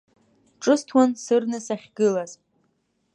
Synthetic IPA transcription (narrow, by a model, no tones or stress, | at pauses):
ʈ͡ʂʼɨstʰwansɨrnɨsaχʲɡɨlaz